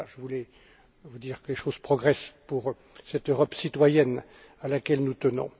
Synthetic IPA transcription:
ʒəvulɛ | vud̪iːʁkəleʃozpχɔɡʁɛspuʁ | sɛt̪øʁɔpsit̪wajɛn | alakʲɛlnut̪ənɔ̰̃

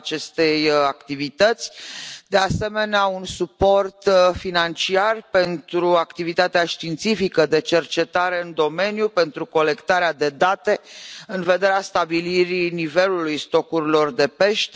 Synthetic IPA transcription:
t͡ʃe̞st̪e̞jakt̪ivit̪ət̪sʲd̪ease̞me̞neaunsupo̞rt̪finant͡ʃiarpe̞nt̪ɾuakt̪ivit̪at̪eaʃt̪int̪sifikəd̪e̞t͡ʃe̞rt͡ʃe̞t̪aɾe̞ɨnd̪o̞me̞njupe̞nt̪ɾuko̞le̞kt̪aɾead̪e̞d̪at̪e̞ɨnve̞d̪e̞ɾeast̪abiliɾinive̞lulujst̪okuɾilo̞rd̪e̞pe̞ʃt̪

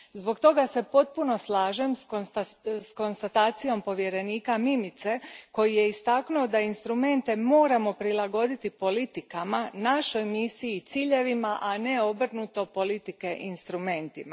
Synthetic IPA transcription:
zbo̞kt̪o̞ɡase̞po̞t̪̚puno̞slˠaːʒemsosko̞nst̪at̪aːt̪sijo̞mpo̞ʋje̞ɾe̞niːkamimit̪se̞ko̞jije̞ist̪aknuod̪ainst̪ɾume̞nt̪e̞mo̞ːɾamo̞pɾilaɡo̞d̪it̪ipo̞lit̪ikamanaʃo̞jmisijit̪siʎe̞ʋimaʔane̞o̞br̩nut̪o̞po̞lit̪ike̞ʔinst̪ɾume̞nt̪ima

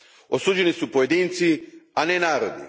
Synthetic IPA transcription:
osuːd͡ʒenisupoje̞d̪iːnt̪sianenaːɾod̪ḭ

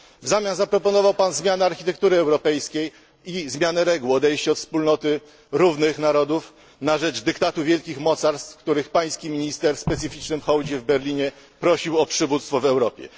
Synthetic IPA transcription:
vzamʲjanzapɾɔpɔnɔvawpanzmʲjanɛaɾxʲit̪ɛkt̪uɾɘɛwɾɔpɛjskʲej | izmʲjanɛɾɛɡuɔd̪ɛjɕt͡ɕɛɔt̪fspulnɔt̪ɘ | ɾuvnɘxnaɾɔd̪uf | naʐɛd͡ʐd̪ɘkt̪at̪uvʲjɛlkʲixmɔt̪saɾst̪kt̪uɾɘxpaj̃skʲimʲiɲist̪ɛɾspɛt̪sɘfʲit͡ʂnɘmxɔwd͡ʑɛvbɛɾlʲiɲɛ | pɾɔɕiwɔpʂɘvut̪st̪fɔvɛwɾɔpʲjɛ̰

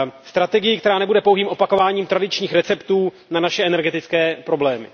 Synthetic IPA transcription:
st̪ɾat̪ɛɡɪjɪkt̪ɛɾaːnɛbudɛpowɦiːmʔo̞pako̞vaːɲiːmt̪ɾadɪt͡ʃɲiːxɾɛt͡sɛpt̪uː | nanaʃɛʔɛnɛɾɡɛt̪ɪt͡skɛːpɾo̞blɛːmɪ̰

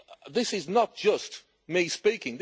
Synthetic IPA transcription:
ðɪsɪznət̚d̥ʒ̥ʌst | mispikɪ̃ŋð

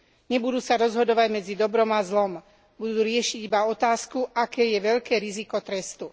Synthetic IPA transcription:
ɲɛbud̪uːsaɾɔzɦɔd̪ɔʋaɟmɛd͡zid̪ɔbɾɔmazlɔm | bud̪uːɾɪɛʃiɟibaɔt̪aːskuʔakɛːjɛʋɛʎkɛːɾizikɔt̪ɾɛst̪u

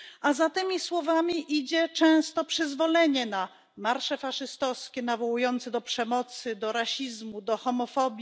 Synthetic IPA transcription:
azat̪ɘmʲiswɔvamʲiʔid͡ʑɛt͡ʂɛ̃w̃st̪ɔpʂɘzvɔlɛɲɛna | maɾʂɛfaʂɘst̪ɔfskʲɛnavɔwujɔnt̪sɛd̪ɔpʂɛmɔt̪sɘd̪ɔɾaɕizmud̪ɔxɔmɔfɔbʲji

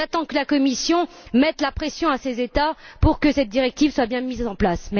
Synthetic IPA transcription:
at̪ɑ̃kəlakɔmisjɔ̃ | mɛt̪lapχesjɔ̃asezet̪apuʁkəsɛt̪̚d̪iʁɛk̚t̪ivswabjɛ̃mizɑ̃plasmɛ

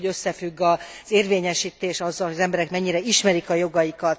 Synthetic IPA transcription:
øsːɛfyɡːɒ | z̥eːrveːɲɛʃiːt̪eːʃɒzːɒlɦojɒzɛmbɛɾɛkmɛɲːiɾɛiʃmɛɾikɒjo̞ɡɒjikɒt̪

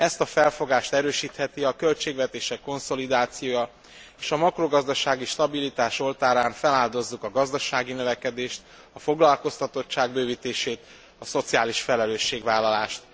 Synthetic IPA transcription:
ɛst̪ɒfɛlfo̞ɡaːʃt̪ɛɾøːʃiːt̪hɛt̪iɒkølt͡ʃeːɡvɛt̪eːʃɛkːo̞nso̞lid̪aːt̪sijoːjɒ | eːʃɒmɒkro̞ɡɒzd̪ɒʃaːɡiʃt̪ɒbilit̪aːʃo̞lt̪aːɾaːɱfɛlaːld̪o̞zːukɒɡɒzd̪ɒʃaːɡinøvɛkɛd̪eːʃt̪ | ɒfo̞ɡlɒlko̞st̪ɒt̪o̞tt͡ʃːaːɡ̚bøːviːt̪eːʃeːt̪ | ɒso̞t̪sijaːliʃfɛlɛløːʃːeːɡʋaːlːɒlaːʃt̪

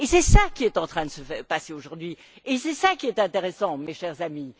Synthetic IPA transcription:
esɛsakʲiɛt̪ɑ̃t̪χɛ̃d̪əsəfɛʁpaseoʒuʁd̪ɥi | esɛsakʲiɛt̪ɛ̃t̪eʁɛsɑ̃meʃɛʁzami

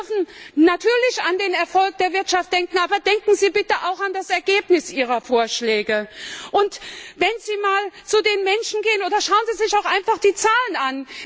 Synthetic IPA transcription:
fn̩natʰyːɐlɪçandeːnɛɐfɔlk̚d̥eːɐvɪɐtʃaft̚d̥ɛŋkŋ̩ʔaːbɐdɛŋkŋ̩ziːbɪtəʔaʊxandasɛɐɡeːpnɪsʔiːʁ̞ɐfoːɐʃlɛːɡəʔʊntvɛnziːmaːlt͡sudeːnmɛnʃn̩ɡeːənoːdɐʃaʊənziːzɪçaʊxʔaɪnfaχd̥iːt͡saːlənan

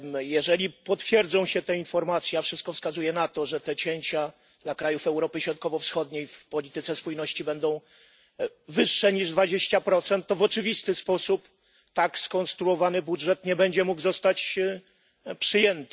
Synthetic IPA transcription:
jɛʐɛlʲipɔt̪fʲjɛɾd̪zɔ̃w̃ɕɛt̪ɛinfɔɾmat̪sʲjɛafʂɘst̪kɔfskazujɛnat̪ɔʐɛt̪ɛt͡ɕeɲt͡ɕa | d̪̥lakɾajufɛwɾɔpɘɕɾɔt̪̚kɔvɔfsxɔd̪ɲejfpɔlʲit̪ɘt̪sɛspujnɔɕt͡ɕibɛnd̪ɔ̃w̃ | vɘʂːɛɲiʐd̪vad͡ʑeɕt͡ɕapɾɔt̪sɛnt̪ːɔvɔt͡ʂɘvʲist̪ɘspɔsup | t̪akskɔnst̪ɾuɔvanɘbudʐɛt̪ɲɛbɛɲd͡ʑɛmuɡzɔst̪at͡ɕ | pʂɘjɛnt̪ɘ

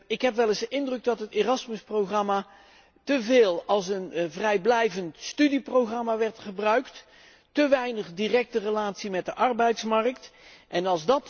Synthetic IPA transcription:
ɪkɦɛpʋɛlɪzdəʔɪndrɵɡ̚dɑtɦəteːrɑsməsprowχrɑma | təveːlˠɑlˠs̬ənvrɛjblɛjvəntstydiprowχrɑmaʋɛɹtχəbrœɥkt | təʋɛjnəχdirɛk̚tərəlaːtsimɛt̚dəʔɑɹbɛjtsmɑrək̚tʔɛnɑlˠzdɑt

